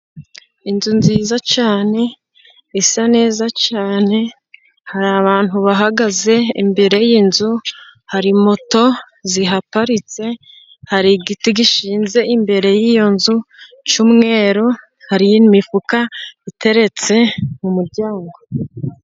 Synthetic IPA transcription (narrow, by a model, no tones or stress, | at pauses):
inzunziːzat͡ʃaːne̞ | isane̞ːzat͡ʃaːne̞ | haɾaβaːn̥huβaɦaɡaze̞imbe̞ɾe̞jinzuhaɾimo̞to̞ | ziɦapaɾit͡se̞ | haɾiɡitiɡiʃiːnze̞imbe̞ɾe̞jijo̞nzu | t͡ʃumŋe̞ːɾo | haɾijimifukaite̞ɾe̞t͡se̞mumuɾɟaːŋɡo̞